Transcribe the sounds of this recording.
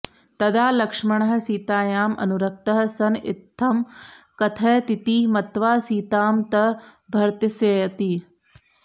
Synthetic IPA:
t̪ɐd̪aːlɐkʂmɐɳɐɦɐ̆siːt̪aːjaːmɐ̰nuɾɐk̚t̪ɐɦɐ̆sɐnḭt̪ʰːɐmkɐt̪ʰɐjt̪it̪iːmɐt̪ʋaːsiːt̪aːmt̪ɐbʱɐɾt̪jɐseːjɐt̪i

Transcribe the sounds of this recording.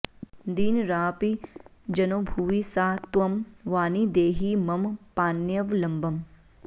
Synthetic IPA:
d̪iːnɾaːpid͡ʒɐnoːbʱuːʋisaːt̪wɐmʋaːnid̪eːɦimɐmpaːnjɐʋlɐmbɐm

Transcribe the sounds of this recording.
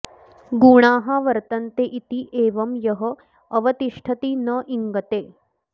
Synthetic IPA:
ɡuːɽ̃aːɦaʋɐɾt̪ɐnt̪eːʔit̪iʔeːʋɐmjɐɦə | ɐʋɐt̪iʂʈʰɐt̪iːnɐʔiŋɡɐt̪eː

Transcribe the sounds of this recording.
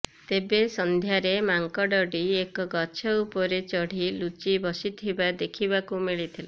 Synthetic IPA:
t̪ebesɔnd̪ʱjaɾemaŋkɔɖɔɖiekɔɡɔt͡ʃʰɔupɔɾet͡ʃɔɽ̤ilut͡ʃibɔsit̪ʰibad̪ekʰiβakumiɭit̪ʰila

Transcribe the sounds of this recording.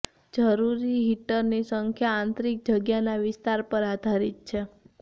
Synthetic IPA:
d͡ʒəɾuɾiɦiʈəɾnisəŋkʰjaãnt̪ɾik̚d͡ʒəɡjanaʋɪst̪aɾpəɾad̪ʱaɾit̪̚t͡ʃʰe

